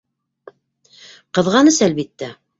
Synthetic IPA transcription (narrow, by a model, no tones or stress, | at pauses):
qɤ̆ðʁɑnɤsælβit̪ːæ